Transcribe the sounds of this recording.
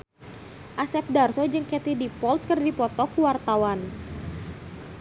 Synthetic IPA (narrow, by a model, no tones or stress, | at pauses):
ʔasɛp̚darsod͡ʒɨŋkɛt̪idipɔlt̪̚kɨrdipɔt̪ɔkuwart̪awan